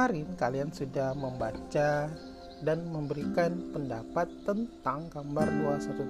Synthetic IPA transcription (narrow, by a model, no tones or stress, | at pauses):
aɾɪnkaliansudahməmbat͡ʃa | danməmbəɾikanpəndapat̪ːənt̪aŋkambarduahsat̪u